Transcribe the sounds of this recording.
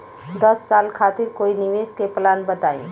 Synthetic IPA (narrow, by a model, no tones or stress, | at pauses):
d̪əsːaːlkʰaːt̪ɪɾkoːiniʋeskeplaːnbət̪aːḭ̃